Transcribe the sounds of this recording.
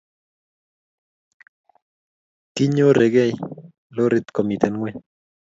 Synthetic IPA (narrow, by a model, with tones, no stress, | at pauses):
kɪ˦ɲo˦ɾe˨ɡɛ˦˨j | lo˦ɾɪ˦t̪kɔ˨mi˨t̪ɛ˨nŋwɛ˦